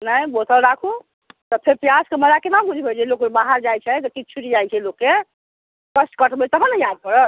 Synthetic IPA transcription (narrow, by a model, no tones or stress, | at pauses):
nəjbot̪ʰəlɾakʰu | t̪ɔpʰeɾpjaskeməd͡ʒakenawɡʱuɾʱibʱet͡ʃʰɛlokbaɦaɾd͡ʒajt͡ʃʰɛt̪ɔkit͡ʃʰuʈid͡ʒajt͡ʃʰɛlokːe | kəsʈkəʈʰbʱet͡ʃʰt̪ɔɦə̃nəjad̪̚kəɾət̪